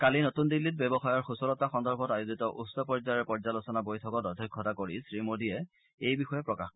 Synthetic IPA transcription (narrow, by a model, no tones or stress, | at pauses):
kalinotundilːit̚bɛbɔxajɔɹxusɔlɔtaxɔndɔɹbʱɔtajuzitɔʔusɔpɔɹzaɹɛpɔɹzalɔsɔnabojtʰɔkɔtɔdʱikʰːɔtakoɹisɹimodiɛ | ejbixɔjɛpɹɔkax